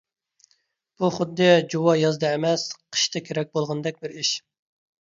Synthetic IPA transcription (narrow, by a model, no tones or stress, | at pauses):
b̥uχʊd̪ːɨd͡ʒuwɑjɑzd̪ɑemɛsqʰə̥ʃt̪ʰɨkʲʰeɾɛk̚ʲbolˠʁnd̪ɛk̚ʲbɪɾiʃ